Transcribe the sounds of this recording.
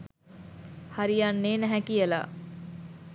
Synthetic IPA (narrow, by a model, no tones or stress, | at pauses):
haɾijanːeːnæɦækijəla̰